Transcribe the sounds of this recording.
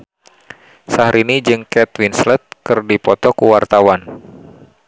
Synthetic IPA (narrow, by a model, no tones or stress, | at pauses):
sahɾinid͡ʒɨŋkɛt̪winslət̪̚kɨrdipɔt̪ɔkuwart̪awan